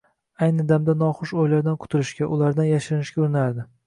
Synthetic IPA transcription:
ajnɪd̪amd̪anɒχʊʃojlaɾd̪ankʰʊ̥t̪ʰɪlɪʃkʲaʔʊlaɾd̪anjaʃɪɾnɪʃkʲaʊɾɪnaɾd̪ɪ

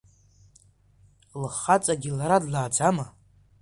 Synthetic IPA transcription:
lχat͡sʼaɡʲilaɾadlaːd͡zama

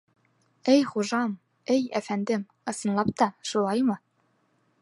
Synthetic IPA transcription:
ɘjχuʒɑm | ɘjæfænd̪ɘm | ɤ̆sɤ̆nlˠɑp̚t̪ɑʃulˠɑjmɤ

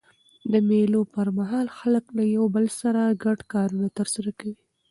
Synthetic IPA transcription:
d̪əmelopəɾmaɦɑlxaləklajawbəlsaɾaɡaɖkɑɾunat̪əɾsaɾakawi

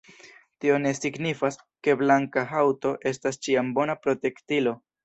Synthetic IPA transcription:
tio̞ne̞siɡnifas | ke̞blaŋkaɦawto̞ʔe̞stast͡ʃiambo̞napɾo̞te̞ktilo̞

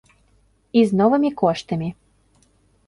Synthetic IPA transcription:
iznɔvɨmʲikɔʂt̪ɐmʲi

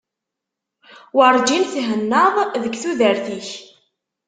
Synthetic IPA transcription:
wəɾˤd͡ʒimθɦənːəðˤðəɡθuðəɾθiç

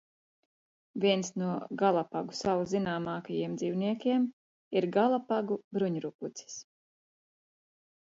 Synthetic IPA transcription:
vʲiɛnsnuɔɡalˠapaɡusawzinaːmɑːkajiɛmd̪ziːwniɛkʲiɛm | iɾɡalˠapaɡubɾuɲɾukut̪si̥s

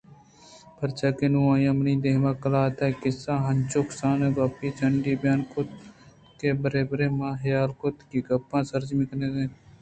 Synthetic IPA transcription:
pʰɐɾt͡ʃaːkenuãːjãmniːd̪eːɦmãːkɐlaːt̪akɪsãːɦɐnt͡ʃoksãːneɡaːpiːt͡ʃəɳɖiːbjaːnkʊt̪ | keːbəɾeːbɾeːmãːɦjaːlkʊt̪kiɡɐpːãːsəɾd͡ʒmɪkneːɡẽː

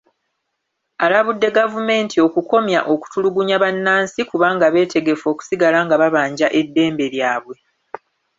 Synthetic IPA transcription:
alaβudːe̞ɡavume̞ːntʰio̞kuko̞mjaʔo̞ku̥tuluɡuɲaβanːaːnsikuβaːŋɡaβe̞ːtʰe̞ɡe̞fo̞ːku̥siɡalaŋɡaβaβaːɲɟaʔe̞dːe̞ːmbe̞ljaːβwe̞

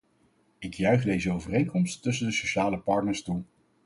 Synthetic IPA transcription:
ɪkjœɥχdejzəowvərejŋkɔmstːɵs̬əndəsoʃaːləpɑɹtnəɹstu

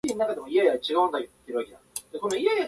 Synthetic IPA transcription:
iɲ̟ʲinakad̪e̞mo̞ijajat͡ɕiɡaɯ̃nd̪aɯt̪ːt̪ːeɾɯaked̪ad̪esonoijaja

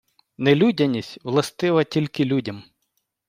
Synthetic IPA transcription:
nelʲudʲɐnʲisʲtʲwlˠɐst̪ɪʋɐtʲilʲkɪlʲudʲɐm

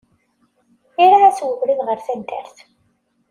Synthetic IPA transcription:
iɾaæswəvɾiðʁəɾθænt̪æ̰ɾθ

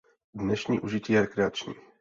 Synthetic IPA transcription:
dnɛʃɲiːʔuʒɪciːjɛɾɛkɾɛat͡ʃɲḭː

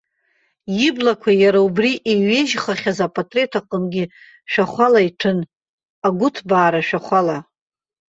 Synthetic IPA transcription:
jɪblakʷʰajaɾaubriʔeɥeʒχaχʲazapʼatʼre̞tʰaqʼəmɡʲɪ | ʃᶣaχʷalaiʈ͡ʂʰɨn | aɡʷʊtʰbaːɾaʃᶣaχʷala

